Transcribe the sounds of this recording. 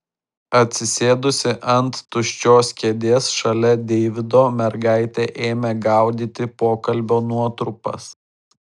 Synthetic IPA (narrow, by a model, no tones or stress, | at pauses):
ɐt̪ʲsʲɪsʲeːd̪ʊsʲɪʔɐnt̪ːʊʃʲt͡ʃʲoːsʲkʲeɛd̪ʲeːsʃɐlʲɛd̪ʲɛɪʋʲɪd̪oːmʲɛɾɡɑˑɪt̪ʲeːʔeːmʲɛɡɐˑʊd̪ʲiːt̪ʲɪpoːkɐlʲbʲoːnuɔt̪ɾʊpɐ̰s